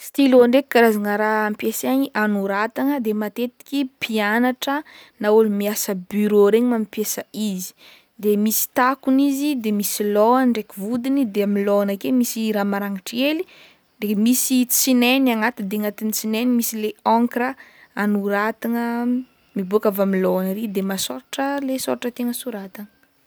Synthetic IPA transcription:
st̪iloɳɖ͡ʐeki̥kaɾazanəɾaampjesaɲiʔanuɾat̪aŋəd̪emat̪et̪i̥kʲipʰianaʈ͡ʂənaulumiasəbyɾoɾeɲimamipjesəizi̥ | d̪emisi̥t̪akunizid̪emisiloaɳɖ͡ʐekivud̪inid̪eamiloanakemisiɾamaɾaŋaʈ͡ʂeli | demisit͡sineniaŋat̪id̪eŋat̪init͡sinenimisileɔ̃ŋkɾəanuɾat̪iŋə | mibukavamiloanəɾid̪emasoɾaʈ͡ʂəlesoɾaʈ͡ʂət̪eŋəsuɾat̪aŋə̥

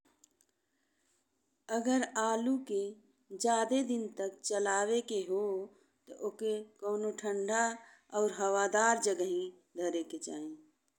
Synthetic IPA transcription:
əɡəɾaːluke | d͡ʒaːd̪ed̪ɪnt̪ək̚t͡ʃəlaːwekeɦo | t̪ɔʔokekəːnoʈʰə̃ɳɖʱa | ɔːɾɦəwad̪aːɾd͡ʒəɡəɦĩ | d̪ʱəɾeket͡ʃaːẽ

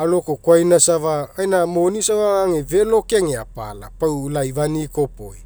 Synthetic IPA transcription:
alokokwajnasavaajnamonisavaaŋevelokeŋea̰pa̰la̰pawlajvanikopo̰j

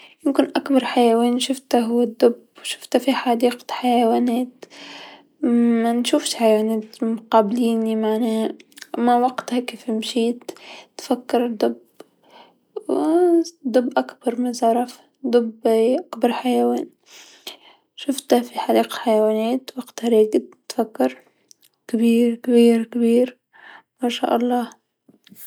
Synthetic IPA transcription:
jɪmkɪnʔakbɑɾˤħajaweːnʃʊft̪aɦʊwad̪ːʊb | wʃʊ̥ft̪afiħad̪iːqħajawaːneːt̪ | manʃuːfʃħajawaːnaːt̪mqɑːbliːnimaʕnaːmawaqt̪hakeːfmʃiːt̪t̪fakːɪɾˤd̪ʊb | w | d̪ˤʊbːʔakb̥ɑɾˤmɪzʕɑɾˤɑf | d̪ˤʊbʔakbɑɾˤħajawaːn | ʃʊft̪afiħadiːqħajawaːneːt̪waqt̪haɾeːɡɪd̪ | t̪fakːɑɾˤ | kabiːɾkabiːɾkabiːɾ | maːʃa̰ːʔɑlˤːɑː

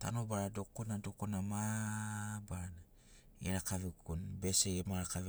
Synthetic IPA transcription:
ta̰nobaɾadokonadokonama | bana | ieɾakavikunbe̞seemaɾakav

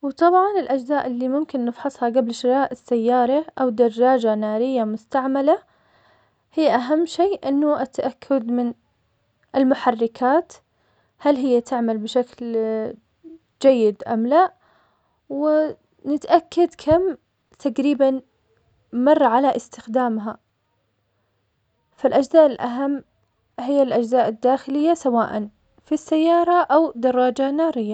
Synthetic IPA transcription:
wt̪ˤɑbʕɑnɪlʔad͡ʒzaːʔɪlːimʊmkɪnːɪfħɑsˤhɑɡablʃɪɾɑːʔɪsːajːɑːɾˤɑʔawd̪ɑrˤːɑːd͡ʒanaːɾɪjːamʊst̪aʕmala | hɪjːʔaɦamːʃeːʔɪnːʊʔat̪ʔakʰːʊd̪mɪn | ʔɪlmʊħarːɪkʰaːt̪ | halɦɪjːat̪ʰɪʕmalbɪʃakl | d͡ʒajːɪd̪ʔa̰mlaʔ | wɪ | nɪt̪ʔakːad̪kʰam | t̪ʰaɡɾiːban | mɑrˤːɑʕalaʔɪst̪ɪxd̪aːmɦa | falʔad͡ʒzaːʔɪlʔaɦamː | hɪjːalʔad͡ʒzaːʔɪd̪ːaːxɪlɪjːasawaːʔan | fisːajːɑːɾˤɑʔawd̪ɑrˤːɑːd͡ʒanɑːɾɪjːa

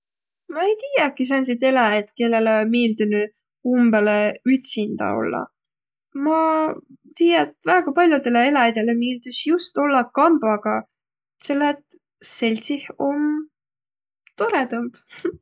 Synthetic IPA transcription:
mɑejt̪iːjɑkːis̬ɑns̬it̪e̞lɑjed̪̥ke̞lːe̞lemiːld̪̥uny | umbeleyt̪sind̪̥ɑ̰o̞̰lːɑ̰ | mɑ | t̪iːjɑt̪væːɡ̥ɑpɑlʲjud̪e̞leelɑjɑd̪̥e̞lemiːld̪̥ysjust̪o̞lːɑkɑmb̥ɑɡ̥ɑ | se̞lːet̪ | se̞lʲt̪sihom | t̪o̞ɾet̪ɤmb̥

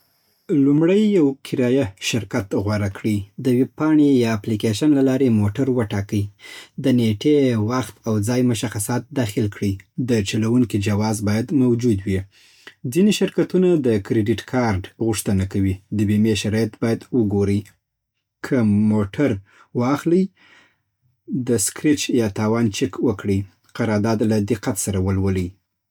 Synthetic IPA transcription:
lumɽəjːawkʰɪɾɑjaʃɪɾkat̪ɣwaɾakɽid̪əwɪb̚pɑɳejɑːplikeʃanlalɑɾemoʈaɾwəʈɑkəjd̪əneʈewaxt̪awd͡zɑjmʊʃaxasɑt̪̚d̪ɑxɪlkɽid̪ət͡ʃalawuŋkid͡ʒawɑzbɑjad̪mawd͡ʒud̪wi | d͡ziniʃɪɾkat̪unad̪əkɾeɖɪʈkʰɑɾɖɣʊʂt̪ənakawid̪əbemeʃaɾɑjat̪bɑjad̪wəɡoɾəj | kʰəmoʈʰaɾ | wɑxlij | d̪əskɾɪt͡ʃjɑt̪ɑwɑnt͡ʃɪkwəkɽi | qaɾɑɾd̪ɑd̪lad̪ɪqːat̪saɾawəlwələj

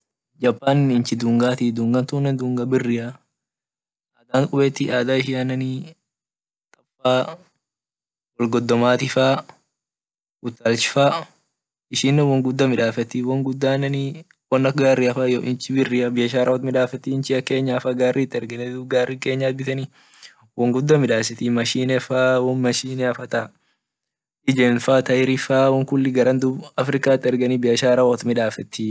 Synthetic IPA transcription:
d͡ʒɐpːaːnnɪnt͡ʃɪd̪uːŋɡaːt̪id̪uːŋɡɐnt̪uːnːɛnd̪uːŋɡɐbɪrːɪjɐ | ʔaːd̪aːnkʼʊbeːt̪ːiʔaːd̪aːɪʃɪɐnːɐniː | t̪ʼɐfaː | wɔlɡɔd̪ːɔmaːt̪ɪfaː | ʊt̪ːalt͡ʃɪ̥faː | ɪʃɪnːɛwɐŋɡʊd̪ːɐmɪᶑaːfɛt̪ːiwɐŋɡʊd̪ːaːnːɐniː | wɐnːɐkɡaːrːiɐfajoʔɪnt͡ʃɪbɪrːiɐbɪjɐʃ̬aːɾɐɔt̪mɪᶑaːfɛt̪ːiɪnt͡ʃɪɐke̞ːɲːaɐfɐɡaːrːʔit̪ːɪɛɾɡɐnɛd̪ubɡaːrːike̞ːɲːaːt̪̚bɪt̪ɐni | wɐŋɡʊd̪ːɐmɪᶑaːs̬ɪt̪imɐʃiːnɛfaːwɔnmɐʃiːnɛɐfɐt̪ɐ | ʔɪd͡ʒeːnfaːt̪ɐʔɪɾɪfaːwɔŋkʊlːɪɡɐɾɐnd̪ubɐfɾɪkaːt̪ːɪɛɾɡɐnibɪjɐʃaːɾɐɔt̪mɪᶑaːfɛt̪ːi

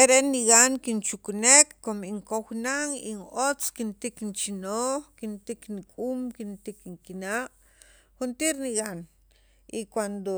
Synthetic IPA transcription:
eɾeʔniɡaŋkint͡ʃukunekːomiŋkoxnaŋḭŋot͡skint̪iknt͡ʃinoːχkint̪iknikʼumkint̪ikiŋkinaʔ | xunt̪iɾniɣan | ikwand̪o

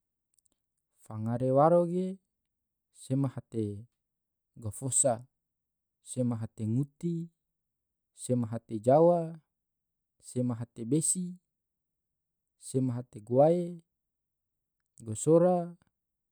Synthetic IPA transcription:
faŋaɾewaɾoɡe | semahat̪e | ɡofosa | semaɦat̪eŋut̪i | semaɦat̪ed͡ʒawa | semaɦat̪ebesi | semaɦat̪eɡuae | ɡosoɾa

